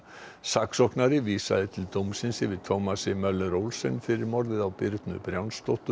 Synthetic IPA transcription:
saksɔhknaɾɪviːsa̰ðɪt̪ʰɪlt̪owmsɪnsɪvɪðt̪ʰowmasɪmœlːɛɾowlsɛnfɪɾɪɾmɔɾðɪðawpɪɾt̪nʏ̰pɾjawnst̪ɔht̪ʏ

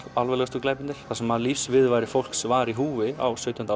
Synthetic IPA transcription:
alvɛlɛɣast̪uklajpɪnt̪ɪ̥θasɛmaðlifsvɪðvajɾɪfowl̥ksvaɾiɦuːvɪa̰wsœɥt̪jna

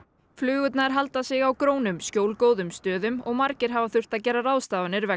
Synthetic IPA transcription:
flʏːɣʏt̪naɛɾ̥ɦalt̪asɪɣawkɾoːwnʏmscjoːwlkoːwðʏmst̪œːðʏmɔɣmaɾcɪɾ̥ɦavaθʏr̥t̪aðcɛːɾaraːwst̪aːvanɪɾvɛ

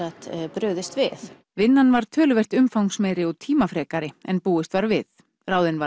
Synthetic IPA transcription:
at̪pɾʏːɣðɪst̪vɪθ | vɪnːanvaɾ̥t̪ʰœːlʏvɛr̥t̪ʏmfawŋsmɛɾɪɔt̪ʰiːmafɾɛːkaɾɪɛ̰npuːɪst̪vaɾvɪθ | raːwðɪnva

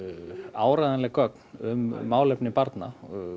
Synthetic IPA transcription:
aːwɾajðanlɛɣkʰœknʏmːaːwlɛpnɪpaɾt̪na̰

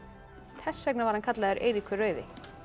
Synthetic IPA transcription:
θʰɛsːvɛknavaɾhankʰat̪laɣʏɾʔejɾikʰʏrœːɥðɪ̰

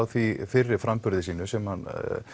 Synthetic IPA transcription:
wθifɪrːɪɾ̥fɾampʏɾðɪsiːnʏsɛmhan

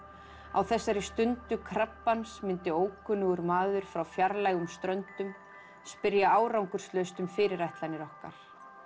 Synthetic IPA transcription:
a̰wθɛsːaɾist̪ʏnt̪ʏkʰɾapːansmɪnt̪ɪoːwkʰʏːnʏɣʏɾmaːðʏɾ̥fɾawfjaɾlajɣʏmst̪ɾœnt̪ʏm | spɪɾjaaːwɾawŋkʏɾ̥st̪lœɥst̪ʏmfɪːɾɪɾajht̪lajnɪɾɔhkaɾ̥

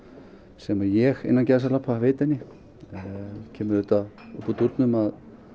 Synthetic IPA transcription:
sɛmajɛɣɪ̰nːancɛðs̬aɾlapʰaveːt̪ɛnːɪ | cʰɛːmʏɾʏt̪a | ʏhpːɔt̪uɾt̪nʏmað

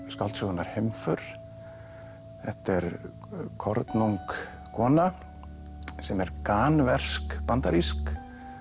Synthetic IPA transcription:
skalt̪sɔɣanːaɾ̥hejmfœɾ̥ | θɛht̪ɛɾ | kʰɔɾt̪nuŋk | kʰɔːna | sɛmɛɾkaːnvɛr̥skpant̪aɾisk

